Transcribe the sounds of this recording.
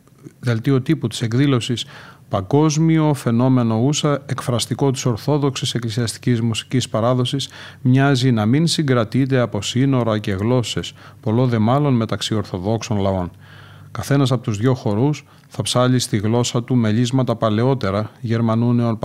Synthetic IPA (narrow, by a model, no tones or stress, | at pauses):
ðe̞lt̪io̞t̪iput̪i̥se̞kðilo̞sispɐŋɡo̞zmio̞fe̞no̞me̞no̞usɐekfɾɐst̪iko̞t̪i̥so̞ɾθo̞ðo̞ksise̞klisiɐst̪i̥cizmusi̥cispɐɾɐðo̞sis | mɲɐzinɐminsiŋɡɾɐt̪it̪̬e̞ɐpo̞sino̞ɾɐce̞ɣlo̞se̞s | po̞lo̞ðe̞mɐlo̞nme̞t̪ɐksio̞ɾθo̞ðo̞kso̞nlɐo̞n | kɐθe̞nɐs̬ɐpo̞t̪uzðʝo̞xo̞ɾus | θɐpsɐʎist̪iɣlo̞sɐt̪ume̞ʎizmɐt̪ɐpɐle̞o̞t̪e̞ɾɐʝe̞ɾmɐnuneo̞np